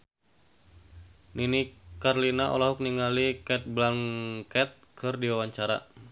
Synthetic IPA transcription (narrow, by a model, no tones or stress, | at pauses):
ninikarlinaʔo̰laɦuk̚niŋalikɛt̪̚blaŋkɛt̪̚kʰɨrdiwawaɲt͡ʃaɾa̰